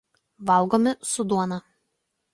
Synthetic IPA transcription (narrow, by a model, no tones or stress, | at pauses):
ʋɐlˠɡoːmʲɪsʊd̪uɔnɐ